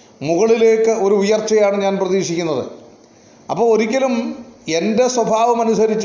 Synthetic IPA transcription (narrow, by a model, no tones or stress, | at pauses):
muɣɐɭile̞ːkːɨo̞ɾuujɐrt͡ɕːɐjaːɳɨɲaːnprɐðiːkʂikʲːunːɐðɨ̰ | ɐpːoːɭoɾikʲːɐlume̞nde̞swɐbʱaːʋɐmɐnusɐɾit͡ɕː